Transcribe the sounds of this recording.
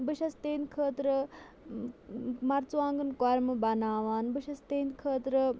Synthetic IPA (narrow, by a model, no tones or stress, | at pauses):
bɨʃɐst̪eːnkʰəːt̪ɾə | mɐɾt͡suaːŋɡɐnkoɾmɨbɐnaːʋaːnbɨʃɐst̪eːnkʰəːt̪ɾə